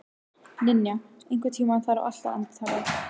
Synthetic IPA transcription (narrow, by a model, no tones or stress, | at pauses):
nɪnjaejŋ̥kvʏt̪ʰiːmanθaɾa̰ʔa̰l̥t̪a̰a̰nt̪θaɾɪ